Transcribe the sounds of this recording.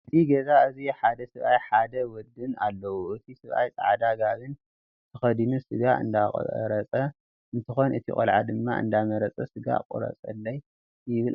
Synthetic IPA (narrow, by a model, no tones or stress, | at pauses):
ʔɨt̪ʰiɡezaɨziħad̪ɐsɨβʔajħad̪ɐwɔd̪ːɨnalːɐwuʔɨt̪ʰisɨβʔa̰jt͡sʼa̰ʕd̪aɡaβɨn | t̪ʰɨxɐd̪inusɨɡaʔɨ̰nd̪a̰ɾɐt͡sʼɐ | ɨnt̪ʰɨxonɨt̪ʰḭχʼɐ̰lʕad̪ɨmːa̰ʔɨ̰nd̪amɐɾɐt͡sʼɐsɨɡa̰qʼṵɾɐ̰t͡sʼɐ̰lːɐj | jɪβɨl